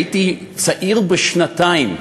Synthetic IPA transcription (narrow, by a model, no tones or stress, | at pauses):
t̪i | sɐʔilbɨʃnɐt̪ajn